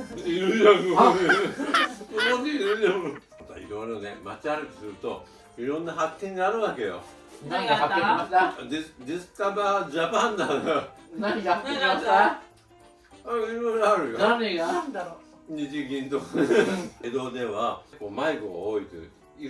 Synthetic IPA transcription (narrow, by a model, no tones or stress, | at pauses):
iɾɯd͡ʒako | oot̪eiɾɯd͡ʑam | ot̪a̰ḭɾoɾone̞mat͡ɕiaɾɯki̥sɨɾɯ̟t̪o̞ | iɾõ̞nːaɦakːẽɲ̟ɡiaɾɯ̟βake̞jo̰ | onːaakː | d̪ed̪esɨ̥t̪abad͡ʑapãnd̪ad̪naa | aiɾoɾaɾɯ̟joand̪aɾo | ɲid͡ʑiɡʲĩnt̪o | ed̪o̞ːd̪e̞βakoːmaiɡo̰oit̪ḛ | i